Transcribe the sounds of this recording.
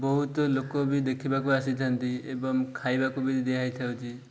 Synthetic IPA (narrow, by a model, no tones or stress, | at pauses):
bɔɦut̪ɔlokɔbid̪ekʰibakuasid̪ʱant̪iḛbɔŋkʰajbakobid̪ekʰajt̪ʰawti